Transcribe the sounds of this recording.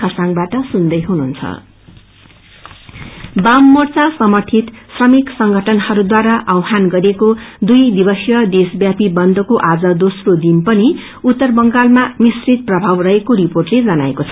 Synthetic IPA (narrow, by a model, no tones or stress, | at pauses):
ʌsaŋbaʈʌsund̪ʌjɦununt͡sʰʌ̰ | bamːʌrt͡sasʌmʌrt̪ʰit̪srʌmiksʌŋɡʱʌʈʰʌnhʌɾud̪waɾaʔʌwɦanɡʌɾekod̪ujd̪ibʌsjʌd̪esbjapibʌnd̪ʱʌkoʔad͡zʌd̪osrod̪inpʌni | ut̪ːʌrbʌŋɡalmamisrit̪̚prʌbʱawrʌɦekoriporʈled͡zʌnaekot͡sʰʌ